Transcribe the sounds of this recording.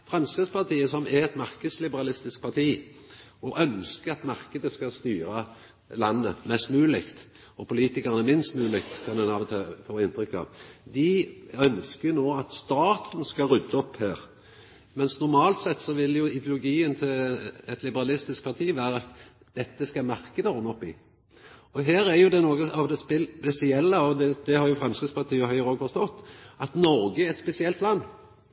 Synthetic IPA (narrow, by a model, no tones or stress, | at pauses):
fʁɑmskɾəd̪spɑt̪ʰiːəsɔmɛɛt̪mɑʁkəd̪slɪbəɾɑlɪst̪ɪsk̚pʰɑt̪ʰiː | ɔʔœnskəɑt̪mɑʁkəd̪əskɑst̪yːɾə | lɑnːəmɛst̪mʉːəlɪkt̪ | ɔpʊliːt̪ɪkəʁnəmɪnst̪mʉːlɪkt̪kʰɑnd̪ɛnɑːʋt̪ʰɑfoːɪnt̪ʁʏkːɑ̰ʋd̪ɪœnskənoːɑt̪st̪ɑːt̪n̩skɑʁʉd̪ːəɔphæːʁ | mɛnsnʊɾmɑːlt̪sɛt̪ːsɔʋɪljʊɪd̪jʊlʊɡiːənt̪ʰɪlɛt̪lɪbəɾɑlɪst̪ɪsk̚pʰɑʁt̪ʰiːʋæːɾəɑt̪ | d̪̥ɛt̪ːəskɑmæɾkəd̪əɔnɔpːɪ | ɔɦeːɾæɾjʊd̪ɛnoːɡəɑʋd̪ɛspɪpɛsɪɛlːəɔd̪ɛd̪ɛhɑɾjʊfɾɑmskʁɪtspʰɑʁt̪ʰiːəhœʏʁoːɡfɔɾst̪ɔt̪ːɑt̪nɔɾɡəɛt̪spɛsɪɛlt̪lɑnː